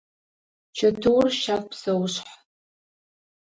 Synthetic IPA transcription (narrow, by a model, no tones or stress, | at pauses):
t͡ʃʰɐtʰɨwrʃakʷʼpsɐwɕħ